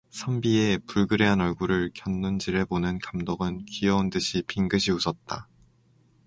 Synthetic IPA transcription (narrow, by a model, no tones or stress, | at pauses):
sʰambiepuɭɡɯɾe̞ɦanʌɭɡuɾɯɭkjʌnːund͡ʑiɾeponɯnkamdoɡɯnkijʌundɯɕʰipʰiŋɡɯɕʰiusʰʌt̚t͈a̰